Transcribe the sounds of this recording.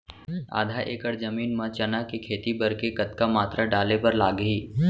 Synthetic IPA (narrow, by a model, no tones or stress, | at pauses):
a̰ːd̪ʱaʔeːkəɽd͡ʒɐmiːnmãt͡ʃɐnakekʰeːt̪ibɐɾkekɐt̪kamaːt̪ɾaɖaːlepɐɾlaːɡɦiː